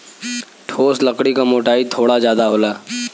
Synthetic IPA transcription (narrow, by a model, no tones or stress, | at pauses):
ʈʰoːsləkɽikamoːʈaːit̪ʰoːɽazjaːd̪aɦoːlaː